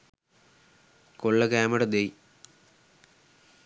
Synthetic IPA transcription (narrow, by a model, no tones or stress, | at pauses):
koɭːɐkaːmɐɽɐd̪ej